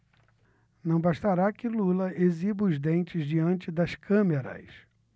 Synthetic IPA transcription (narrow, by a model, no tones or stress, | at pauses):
nɐ̃w̃baʃt̪aɾakɪlulɐʔezibʊzd̪ẽnt͡ʃɪzd͡ʒiɐ̃nt͡ʃɪd̪ɐskɐ̃meɾɐ̰s